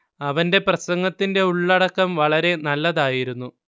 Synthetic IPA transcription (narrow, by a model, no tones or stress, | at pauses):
ɐʋɐnde̞prɐsɐŋɡɐt̪ːinde̞uɭːɐɽɐkːɐmʋɐɭɐɾe̞nɐlːɐðaːjiɾunːu